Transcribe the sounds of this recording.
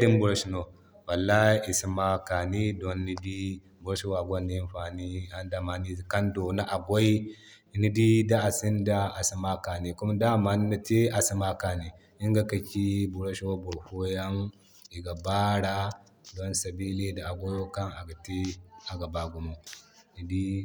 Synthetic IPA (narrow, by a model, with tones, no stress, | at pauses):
ɾi˦nbu˦ɾa˦ʃi˦no˨ | wa˨lːa˦i˦ʔi˨si˦ma˦ka˨ni˦do˦nːi˦di˦ | bu˨ɾa˦ʃi˦wa˨ɡʷo˦nːi˦i˦mɸa˨ni˦a˦nda˨ma˨ni˦˨ka˦ndo˨na˦ʔa˨ɡʷo˦i˦˨ | ni˦di˦da˦a˨si˦nda˦a˨si˦ma˦ka˨ni˨ku˦ma˦da˦˨ma˨n˦na˦ti˦ʔa˨si˦ma˦ka˨ni˨ | i˦ŋɡa˨ka˨kʲi˦bu˨ɾa˦ʃi˦wa˦bu˨ɾho˦ja˦n | i˨ɡa˨ba˦ɽa˦ | do˦nsa˨biː˦li˦da˨a˨ɡʷo˦jo˦ka˦na˨ɡa˨ti˦a˨ɡa˨ba˨ɡu˨mu˨ni˨di˦